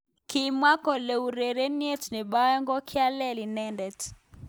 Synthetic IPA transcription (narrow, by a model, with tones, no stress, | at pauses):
kimwa˦kɔ˨lɛ˨uɾɛ˨ɾɛ˦ni˦ɛ˦tni˨ɓa˦ɛ˦ŋɡɔ˦kʰi˦a˦lɛ˦li˨nɛ˦ndɛ˨t